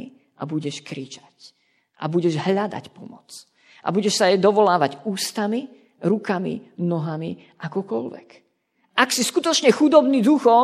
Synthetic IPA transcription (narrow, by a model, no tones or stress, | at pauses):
ʔa̰buɟɛʃkɾiːt͡ʃḁc | ʔa̰buɟɛʒɦʎad̪a̰cpɔmɔt͡s | ʔa̰buɟɛʃsajɛd̪ɔʋɔlaːʋaɟuːst̪ami | ɾukamḭnɔɦami | ʔakɔkɔʎʋɛ̰k | ʔaksiskut̪ɔt͡ʃɲɛxud̪ɔbnid̪uxɔ